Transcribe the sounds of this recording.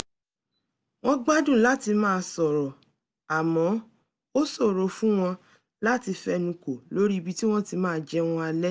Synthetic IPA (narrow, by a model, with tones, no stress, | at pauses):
w̃ɔ̃˦ɡ͡ba˦dũ˦˨la˦ti˧mãː˦˧sɔ˨ɾɔ˨ | a˨mɔ̃˨˦ | o˦sɔ˦˨ɾo˨˦fũ˦w̃ɔ̃˧ | la˦ti˧fɛ˦nũ˧ko˨lo˦ɾi˦i˧bi˦ti˦w̃ɔ̃˦ti˧mãː˦˧d͡ʒɛ˦w̃ɔ̃˧a˧lɛ˦